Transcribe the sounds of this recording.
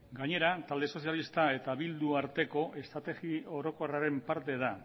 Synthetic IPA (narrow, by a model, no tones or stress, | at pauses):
ɡaɲe̞ɾat̪ald̪e̞so̞sjalist̪ae̞t̪aβild̪uaɾt̪e̞ko̞ʔe̞st̪ɾat̪e̞ɣio̞ɾo̞ko̞raɾe̞mpaɾt̪e̞ð̞a